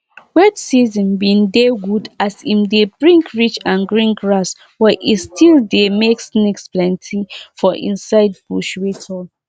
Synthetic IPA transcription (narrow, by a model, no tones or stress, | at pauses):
wɛdsizĩnbĩndeɡudasĩmdebɹĩŋkɹit͡ʃãnɡɹĩnɡɹas | wɛʔitstʰildemeksnɛksplɛ̃ntʰifɔʔḭ̃nsaɪdbuʃwetʰɔ